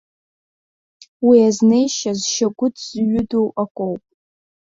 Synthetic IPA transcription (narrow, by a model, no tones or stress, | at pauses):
wiazne̞jʃazʃaɡʷʊdʰz̥ɥʊdowakʷʼowpʼ